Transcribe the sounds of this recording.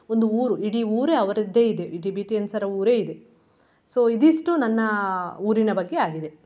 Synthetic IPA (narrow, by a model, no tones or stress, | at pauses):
o̞nd̪uuːɾuiɽiuːɾeːɐʋɐɾɐd̪ːeːid̪eiɖibiːʈiɐnsɐɾɐuːɾe̞ːid̪e | so̞ːid̪iʂʈunɐnːɐuːɾinɐbɐɡːe̞aːɡid̪e̞